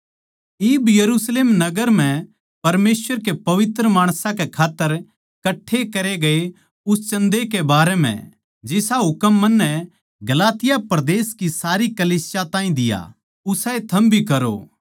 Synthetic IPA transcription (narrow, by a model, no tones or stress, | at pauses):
ɪːbjɐɾuːsleːmnɐɡəɾm̤ɛ̃ | pɐɾmeːsʋəɾkepɐʋɪt̪ɾəmaːɽ̃sãkekʰaːt̪ːəɾ | kɐʈʰːekɐɾeɡɐe | ʊst͡ʃɐ̃nd̪ekebaːɾɛmɛ̰̃ | d͡ʒɪsaɦʊkəmːɐnːɛ | ɡɐlaːt̪ɪjapɾɐd̪eːskisaːɾikɐliːsɪjat̪ãːĩd̪ɪja̰ | ʊsaet̪ʰɐmbʱikɐɾo̰